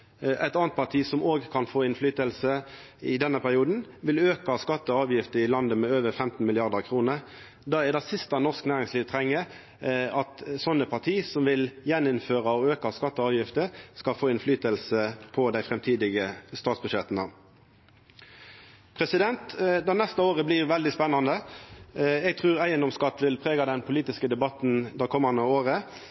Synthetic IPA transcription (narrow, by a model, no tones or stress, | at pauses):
ʔæ̰ɪt̪ɑːnt̪̚pʰɑʁt̪ʰiːsɔmoːɡkʰɑnfoːɪnflyːt̪əlsə | ɪd̪ɛnəpʰæʁɪuːd̪n̩ʋɪløːkɑskɑt̪ːəɑːʋjɪft̪əɪlɑnd̪əmɛːøːʋəfɛmt̪n̩mɪlɪɑʁd̪əʁkʰʁuːnəʁ | d̪ɑːæd̪ɑsɪst̪ɑnɔʁsknæːʁɪŋsliːʋt̪ʰʁɛŋːə | ɑt̪sɔnːəpʰɑt̪ʰiːsɔmʋɪljɛnːʊnføːʁɑɔøːkɑskɑt̪ːəɑːʋjɪft̪əskɑlfoːɛnflyːt̪əlsəpʰɔd̪æɪfʁɛmt̪ʰiːd̪ɪɡəst̪ɑːt̪sbʉdʂɛt̪nə | pʰʁɛsɪd̪ɛnt̪d̪ɔnɛst̪əoːʁəblɪʁʋɛld̪ɪspɛnːɑnd̪ə | ɛɡ̚t̪ʰʁʉːʁæɪənd̪ɔmskɑt̪ːʋɪlpʰʁeːɡɑd̪ɛnpʰʊliːt̪ɪskəd̪ɛbɑt̪n̩d̪ɑkʰɔmːɑnəoːʁə